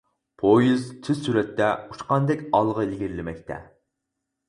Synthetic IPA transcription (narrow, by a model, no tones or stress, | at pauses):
pʰojizt̪ʰɪzsyɾɛt̪ːɛut͡ʃqɑnd̪ɛkʲɑlˠʁəlɪɡʲiɾlɪmɛk̚ʲt̪ʰɛ̰